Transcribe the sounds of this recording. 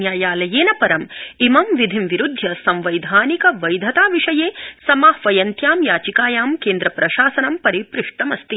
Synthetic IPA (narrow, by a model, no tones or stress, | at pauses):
jaːjaːlɐjeːnɐpɐɾɐmimɐmʋid̪ʱimʋiɾud̪ʱjɐsɐmʋɐjd̪ʱaːnikɐʋɐjd̪ʱɐt̪aːʋiʂɐjeːsɐmaːhʋɐjɐnt̪jaːmjaːt͡ʃikaːjaːmkeːnd̪ɾɐpɾɐʃaːsɐnɐmpɐɾipɾiʂʈɐmɐst̪i